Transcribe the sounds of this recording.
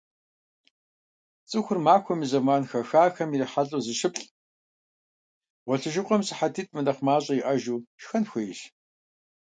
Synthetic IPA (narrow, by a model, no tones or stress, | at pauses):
t͡sʼɨxʷʊrmaːxʷɔmizɐmaːnxɐxaːxɐmiriħaɮʼuːzɨʃɪpɬʼ | ʁʷɔɬɨʒɪqʷʼɔmsɨħatʰiːtʼʰmɨnɐχmaːɕʼɐiʔɐʒuːʃxɐnxʷɐjɪʃ